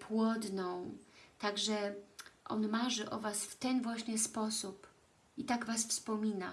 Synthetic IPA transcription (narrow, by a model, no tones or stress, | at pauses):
pʰwɔd̪nɔ̃w̃t̪aɡʐɛʔɔ̰nmaʐɘʔɔvasft̪ɛnvwaɕɲɛspɔsup | it̪aɡvasfspɔmʲina̰